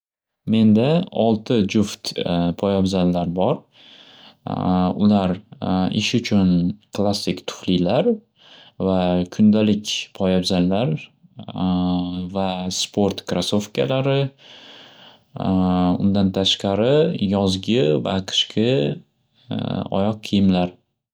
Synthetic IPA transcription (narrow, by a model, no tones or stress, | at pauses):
me̞nd̪aɒlˠt̪ʰɪd͡ʒʊft̪pʰɒjabzanlaɾbɒɾ | ʊlaɾɪ̰ʃʊt͡ʃʰʊnkʰlˠasːɪkʲt̪ʰʊ̥χlilaɾ | vakʰʊnd̪alɪkʲpʰɒjabzanlaɾ | vaspʰo̞ɾt̪kʰɾasofkʲʰa̰laɾɪ | ʊ̰nd̪ant̪ʰaʃqɑɾɪjɒzɡʲɪva̰qʰɨ̥ʃqʰɪ | ɒ̰jɒq̚ʰːɨjɪmlaɾ